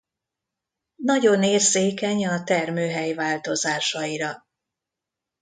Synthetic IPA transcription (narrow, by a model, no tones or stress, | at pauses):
nɒɟo̞neːrseːkɛɲɒt̪ɛrmøːɦɛjvaːlt̪o̞zaːʃɒiɾɒ